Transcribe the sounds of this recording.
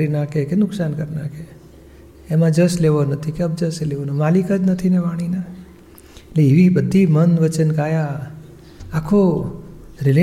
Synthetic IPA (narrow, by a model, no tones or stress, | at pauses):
ɾinakʰekenʊksankəɾnakʰeː | mãd͡ʒəsleʋonət̪ʰikeəb̚d͡ʒəseleʋonomalikəd͡ʒnət̪ʰineʋaɽ̃ina | etleiʋibəd̪ʱːimənʋət͡ʃənkajaː | kʰo | ɾɪle